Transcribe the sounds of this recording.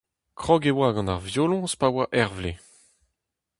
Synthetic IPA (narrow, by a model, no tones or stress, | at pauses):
kχɔɡewaɡɑ̃naʁvjoːlɔ̃spawaʔɛʁvle